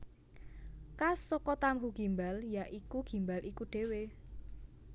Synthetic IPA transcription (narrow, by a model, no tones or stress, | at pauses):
kasɔkɔt̪amɦuɡ̥i̤mbaljaʔikuɡ̥i̤mbalʔikuɖ̥e̤we